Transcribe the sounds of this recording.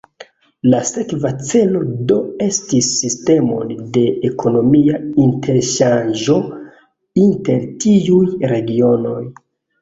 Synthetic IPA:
lase̞kvat͡se̞lo̞do̞e̞stisːiste̞mo̞̰nde̞ekʰo̞no̞miaintʰe̞ɾʃand͡ʒo̞ | inte̞ɾtiujɾe̞ɡio̞no̞j

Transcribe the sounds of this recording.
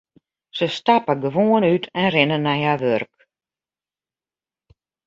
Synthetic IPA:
səstapəɡəʋoːənytʰɛnrɪnənːajhaʋørk

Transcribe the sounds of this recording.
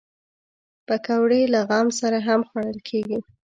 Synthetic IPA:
pakawɽelaɣɑmsaɾaɦamxwaɽəlkʰeɡi

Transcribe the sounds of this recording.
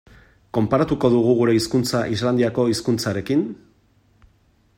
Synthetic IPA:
ko̞mpaɾat̪uko̞ðuɣ̞uɣuɾe̞iskunt͡saʔizland̪iako̞iskunt͡saɾe̞kin

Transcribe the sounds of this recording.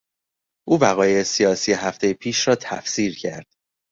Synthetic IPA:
ʔuːvæɣɒːjejesijɒːsije̞ɦæft̪ʰe̞jepʰiːʃrɒːt̪ʰæfsiːɾcʰæ̰ɾd̪̥

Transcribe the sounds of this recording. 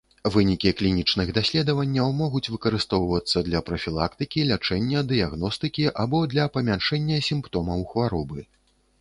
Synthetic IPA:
vɨnʲikʲiklʲinʲit͡ʂnɨɣd̪asʲlʲɛd̪ɐvɐnʲːɐwmɔɣut͡sʲvɨkɐɾɨst̪ɔwvɐt̪sːɐd̪lʲɐpɾɐfʲilˠa̰kt̪ɨkʲilʲat͡ʂɛnʲːɐd̪ɨjaɣn̪ɔst̪ɨkʲiʔabɔd̪lʲɐpɐmʲanʂɛnʲːɐsʲimpt̪ɔmɐwxvaɾɔbɨ

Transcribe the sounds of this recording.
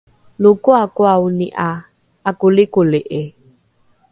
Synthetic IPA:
lokʊakʊaʊniʔa | akʊlɪkoleʔe

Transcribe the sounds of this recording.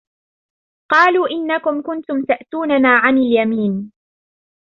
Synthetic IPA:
qɑːluːʔɪnːakʊmkʊnt̪ʊmt̪aʔt̪uːnanaːʕanaljamiːn

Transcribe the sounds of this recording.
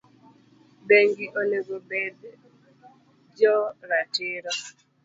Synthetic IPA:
beŋɡiʔoleɡobɛd̪ | d͡ʒɔɾatɪɾɔ

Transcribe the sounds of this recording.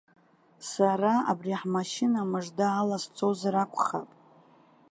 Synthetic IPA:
saraa̰briħmaʃɪnamɨʐdaːlast͡sʰʼozrakʷʰʼχapʼ

